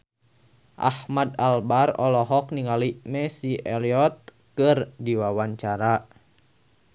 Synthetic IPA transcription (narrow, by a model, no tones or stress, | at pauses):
ʔa̰hmadalbarɔ̰lɔɦɔk̚niŋalimɛsiʔɛliɔt̪̚ | kɨrdiwawaɲt͡ʃaɾa